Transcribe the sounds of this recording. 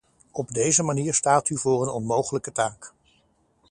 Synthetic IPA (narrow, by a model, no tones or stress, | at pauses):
ɔbdejzəmaniːɹstaːtyvʊːrənɔnmowχələkətaːk